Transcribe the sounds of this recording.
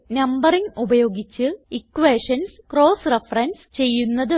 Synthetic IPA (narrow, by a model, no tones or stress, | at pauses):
nɐmbɐriŋubɐjo̞ːɡit͡ɕːɨikːʋeːʂɐnskro̞ːsrefɐrɐnst͡ɕe̞jːunːɐðɨ